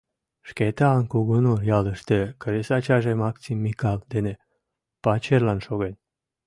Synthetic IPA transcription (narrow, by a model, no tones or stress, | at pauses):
ʃket̪eɑŋkuɣənorjɑləʃt̪ekəɾesɑt͡ɕɑʒemɑksimːikɑld̪ene | pɑt͡ɕerlɑnʃoɣenʲ